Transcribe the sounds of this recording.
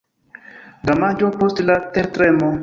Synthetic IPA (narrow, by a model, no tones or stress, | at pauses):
d̪amad͡ʒopostlat̪eɾt̪ɾemo